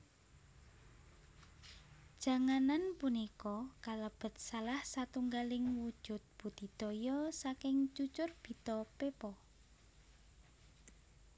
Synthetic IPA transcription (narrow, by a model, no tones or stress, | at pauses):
d̥ʒ̥a̤ŋananpunikɔkaləb̥ə̤t̪̚salahsat̪uŋɡalɪŋwud̥ʒ̥ʊ̤t̪̚b̥ṳd̪̥i̤d̪̥ɔ̤jɔsakɪŋt͡ʃut͡ʃʊrb̥i̤t̪ɔpepɔ